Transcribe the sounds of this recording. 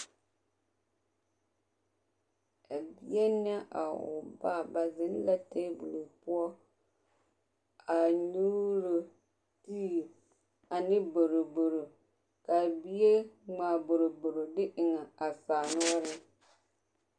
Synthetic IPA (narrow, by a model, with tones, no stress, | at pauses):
a˨bi˦ɛ˦nɛ˦ʔa̰˨ʊ̰˨ba˦˨ba˨zɪ˦n˦la˦teː˦bu˨lu˨pʊ˦ɔ˦ | a˨ɲu˦ɾo˨ | tiː˦˨ | a˨nɪ˦bo˨ɾo˨bo˨ɾo˨ | ka˨bi˦e˦ŋ͡maː˨bo˨ɾo˨bo˨ɾo˨dɪ˦ʔɪ˨ŋa˨a˨saː˨nʊ˦ɔ˦ɾɪ˦